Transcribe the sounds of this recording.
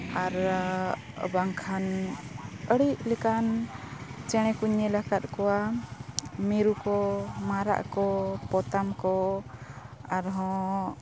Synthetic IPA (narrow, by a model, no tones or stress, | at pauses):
aɾ | baŋkʰan | əɽiʔlɛkan | t͡ʃɛɽ̃ɛkuɲɛlakat̪̚kɔwa | miɾukɔmaɾa̰ʔkɔpɔt̪amkɔ | aɾɦɔ̃